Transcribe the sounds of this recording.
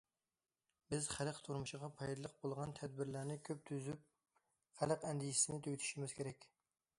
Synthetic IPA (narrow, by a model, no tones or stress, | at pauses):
bɪzχælqt̪ʰuɾmuʃɪʁɑpʰɑjd̪ɨlˠəq̚bolˠʁɑnt̪ʰɛd̪̚bɪɾlæɾnɪkʲʰøp̚t̪ʰyzyp̚ | χælqɛnd̪iji̥sɪnɪt̪ʰøɡʲt̪ʰy̥ʃimɪzkʲʰeɾɛkʲ